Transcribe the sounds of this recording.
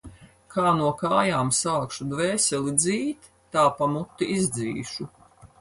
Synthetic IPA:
kʰaːnuɔkaːjaːmsaːkʃud̪vɛːsʲɛlid̪ziːt̪ːaːpamut̪ːiʔizd̪ziːʃu

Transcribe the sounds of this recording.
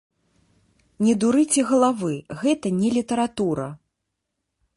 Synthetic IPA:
nʲɛd̪uɾɨt͡sʲɛɣɐlˠavɨɣɛt̪ɐnʲɛlʲit̪ɐɾat̪uɾɐ

